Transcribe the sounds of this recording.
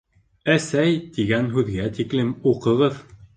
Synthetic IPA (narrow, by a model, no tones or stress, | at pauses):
æsæjt̪iɡænɦʉðɡæt̪iklɘmuqɤ̆ʁɤð